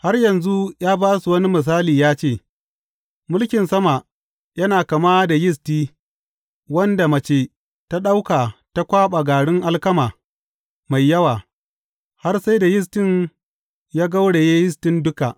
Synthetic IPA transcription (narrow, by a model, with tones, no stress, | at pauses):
ha˦rjɐ˨nzu˦jaː˦baː˦su˨wɐ˦ni˦mɪ˨s̬aː˦liː˨jaː˦t͡ʃeː˦˨ | mʊ˦lkʲɪ˨nsɐ˦ma˨ | jɐ˦naː˨kɐ˨maː˦da˨jɪ˦s̬tiː˦ | wɐ˦nda˨mɐ˨t͡ʃeː˦ | ta˦ɗa˦wkaː˨ta˦kʷaː˦ɓa˨ɡaː˨ɽɪ˦ŋʔa˦lkɐ˦maː˨ | ma˨jːɐ˦waː˨ | ha˦rsa˦jda˨jɪ˦s̬tɪ˦ɲ | jaː˦ɡa˦wɽe˨jeː˦jɪ˦stɪ˦ndʊ˦ka˨ʔ